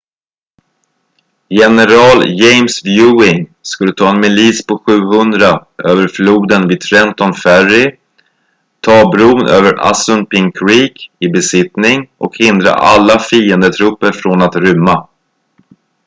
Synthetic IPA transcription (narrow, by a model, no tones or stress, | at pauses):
jɛnɛɾɑːljɛjmsvjʉːɪŋskɵlːət̪ʰɑːɛnmɛliːspʰɔɧʉ̟ːɦɵnd̪ɾaʔøːvəɾfluːd̪ənvɪd̪̚t̪ʰɾɛnt̪ɔnfærɪ | t̪ʰɑːbɾuːnʔøːvəɾa̰sɵnpɪŋkʰɾiːkɪbɛsɪt̪nɪŋʔɔ̰khɪnd̪ɾa̰ʔa̰lːafiːənd̪ət̪ʰɾɵpːəɾfɾonat̪ɾʏmːa